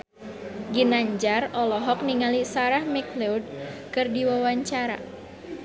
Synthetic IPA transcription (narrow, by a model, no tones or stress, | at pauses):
ɡinaɲd͡ʒarɔlɔɦɔk̚niŋalisaɾahmɛklɛud̚kɨrdiwawaɲt͡ʃaɾa̰